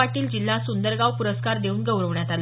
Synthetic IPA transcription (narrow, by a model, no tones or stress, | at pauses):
aʈiːld͡ʑilːasund̪əɾɡawpuɾəskaɾd̪euːnɡəwɾəʋɳjat̪al